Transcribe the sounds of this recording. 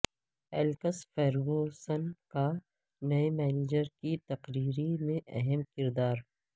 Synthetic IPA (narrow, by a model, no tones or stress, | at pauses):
ɛːlkəsfɛːɾɡosənka | nɐemɛːneːd͡ʒəɾkit̪ɐqɾiːɾimẽʔɛɦɛmkɪɾd̪aːɾ